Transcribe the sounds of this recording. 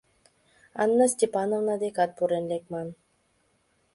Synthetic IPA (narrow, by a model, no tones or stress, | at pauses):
a̰nːasʲtʲepanovnad̪ekat̪̚puɾenlekman